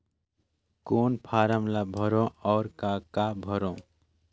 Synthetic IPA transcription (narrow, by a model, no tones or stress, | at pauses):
konpʰaɾamlabʱʌɾõʌːɾkakabʱʌɾõ